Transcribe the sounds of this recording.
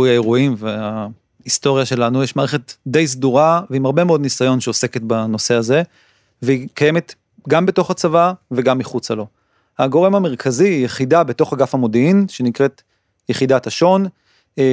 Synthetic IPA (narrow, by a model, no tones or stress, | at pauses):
ujaeʁuimvea | isto̞ʁjaʃe̞lanujeʃmaːʁeχe̞td̪e̞js̬d̪uʁaveimaʁbe̞meo̞d̪nisajo̞nʃeose̞ket̪bano̞se̞aze̞ | veikaje̞me̞t̪ | ɡambe̞to̞χat͡savave̞ɡamːiχut͡salo̞ | haɡo̞ʁe̞mame̞ʁ̞kʰaziːjeχidabeto̞χaɡafamo̞diinʃe̞nikʁe̞t̪ | jeχidataʃo̞n